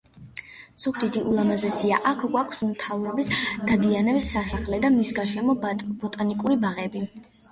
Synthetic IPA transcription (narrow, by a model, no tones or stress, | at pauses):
z̥uɡd̪id̪iʔulˠamazɛsiaʔakʰɡwakʰsummt̪ʰavɾɔbisd̪̥ad̪ianɛbisːasaχlɛd̪amisɡaʃɛmɔb̥ɔt̪ʼanikʼuɾibaʁɛbi